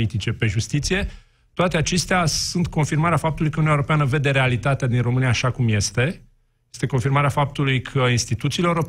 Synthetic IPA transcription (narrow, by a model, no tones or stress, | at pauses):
it̪it͡ʃe̞pe̞ʒust̪it̪sije̞ | t̪oat̪e̞at͡ʃe̞st̪easunt̪ko̞nfirmaɾeafap̚t̪ulujkəununeoɾo̞peanəve̞d̪e̞ɾealit̪at̪ead̪inro̞mɨniaːʃakumje̞st̪e̞ | jest̪e̞ko̞nfirmaɾeafap̚t̪ulujkʰəinst̪it̪ut̪siːleoro̞p